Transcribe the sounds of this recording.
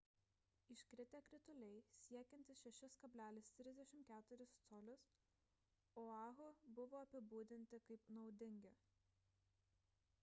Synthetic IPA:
ɪʃʲkɾʲɪt̪ʲɛkɾʲɪt̪ʊlʲɛɪsʲiɛkʲɛnʲt̪ʲɪsʃʲɛʃʲɪskɐbʲlʲæːlʲɪst̪ʲɾʲɪzʲd̪ʲɛʃʲɪmkʲæːt̪ʊɾʲɪst̪soːlʲʊs | oɑːɣʊbʊʋoːɐpʲɪbuːd̪ʲɪnʲt̪ʲɪkɐɪpnɒʊd̪ʲɪŋʲɡʲɪ

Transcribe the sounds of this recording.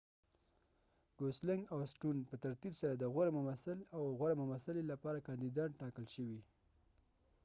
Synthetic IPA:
ɡ̥oslɪŋɡawsʈunpət̪aɾt̪ibsaɾad̪əɣwaɾamʊmasalawɣwaɾamʊmasalelapɑɾakɑnd̪id̪ɑʈɑkəlʃəwi

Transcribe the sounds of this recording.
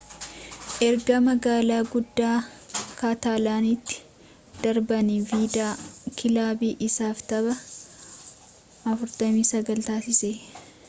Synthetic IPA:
ʔɛɾɡɐmɐɡaːlaːɡʊd̪ːaː | kaːt̪aːlaːnit̪ːɪ̥ | d̪̥ɐɾbɐniviːd̪aːkɪlaːbiːʔɪsaːft̪ɐbɐ | ɐfʊɾt̪ɐmiːsɐɡɐlt̪aːsɪseː

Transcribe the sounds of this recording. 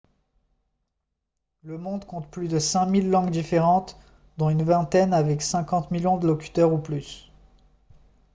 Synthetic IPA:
ləmɔ̃d̪kɔ̃t̪plyd̪əsɛ̃milːɑ̃ɡd̪ifeʁɑ̃t̪ | d̪ɔ̃ynvɛ̃t̪ɛnavɛksɛ̃kɑ̃t̪miljɔ̃d̪əlɔkʲy̥t̪œʁuplys

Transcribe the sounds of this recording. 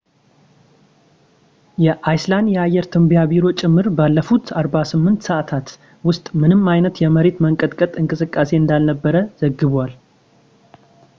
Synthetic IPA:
jɛʔajslanjɛajːɛɾt̪ʰɨmbijabiɾo̞t͡ʃʼɪmːɨɾbalːəfut̪ʰaɾbasɨmːɨnt̪səʔat̪ʰat̪ | wʊst̪ʼmɨnɨmajnət̪jɛməɾe̞t̪məŋkʼət̪ʼkʼət̪ʼɨŋkʼɨsɨkʼːase̞ɨnd̪alnəbːəɾəz̥əɡɨβwal

